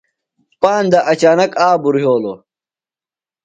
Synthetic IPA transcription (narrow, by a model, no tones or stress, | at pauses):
paːnd̪ɐʔɐt͡ɕaːnɐkaːbuɾɦoːlo